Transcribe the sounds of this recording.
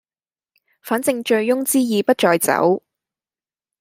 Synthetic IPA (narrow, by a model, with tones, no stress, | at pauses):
faː˨˥nt͡sɪ˨˧ŋt͡ʃɵ˧ɥjʊ˥ŋt͡siː˥jiː˨pɐ˥t̚t͡ʃɔː˧jt͡sɐ̰˨˥w